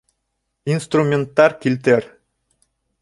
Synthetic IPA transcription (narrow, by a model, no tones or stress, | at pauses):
inst̪rumʲent̪ːɑɾkilt̪eɾ